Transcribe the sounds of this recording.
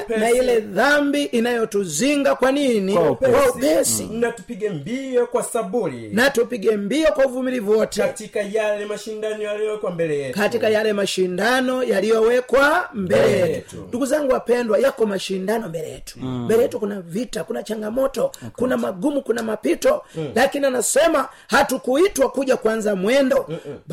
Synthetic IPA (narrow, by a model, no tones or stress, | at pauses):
nailɛðambiʔinajɔtuziŋɡakwaninipwaupɛsinatupiɡɛmbiɔkwasabulḭnatupiɡɛmbiɔkwauvumilivɔtɛatikajalɛmaʃindanɔjalijɔwɛkwambɛlɛɛkatikajalɛmaʃindanɔjalijɔwɛkwambɛlɛjɛtutunduɡuzaŋɡuwapɛndwajakɔmaʃindanɔmbɛlɛjɛ̰tu̥mbɛlɛjɛtukunavitakunat͡ʃaŋɡamɔtɔkunamaɡumukunamapitɔlakinianasɛma | hatukuitwakuɟakwanzamwɛndɔ